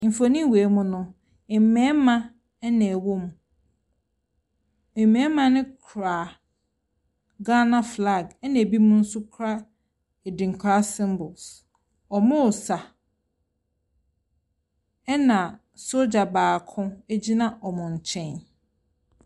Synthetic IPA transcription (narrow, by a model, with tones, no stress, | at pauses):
m̩˨fo˨nĩ˦weː˨˦mʊ̃˦nʊ̃˨ | ɪ˨m̩˨mɛ̃˦mã˦ | nɛ̃˨wo˦m˨ | ɪ̃˨mmːɛ̃˦mã˦nɪ̃˦kʰɾaː˨ | ɡa˦nã˦fla˨ɡɛ˦nã˨æ˨bi˦mʊ̃˦n̩˦sʊ˦kʰɾa˦ | e˨dĩ˨ŋ̩˨kʰa˦sɪ̃˦mbʊ˨ls | ɔ˨mʊ̃˦ʊ˨sa˨ | ɛ˦nã˨ | so˦d͡ʑa˨baː˨kʰʊ̃˦æ˦d͡ʑi˦nã˦ʔɔ˨mʊ̃˨ɲ̩˨t͡ɕʰɛ̃˦˨n